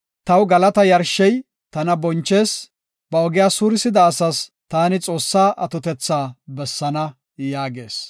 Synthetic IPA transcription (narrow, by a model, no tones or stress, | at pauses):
t̪ɐwɡɐlɐt̪ɐjɐɾʃːɛj | t̪ɐnɐbɔnt͡ʃːe̞ːs | b̥ɐɔɡɪjaːsuːɾɪsɪd̪ɐːsɐst̪aːnɪt͡sʼo̞ːsːaːʔɐt̪ɔt̪ɛt͡sːaːbɛsːɐnɐ | jaːɡe̞̰ːs